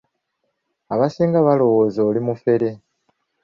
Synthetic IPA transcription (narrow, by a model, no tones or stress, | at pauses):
aβasiːŋɡaβalo̞wo̞ːzo̞ːlimufe̞ɾe̞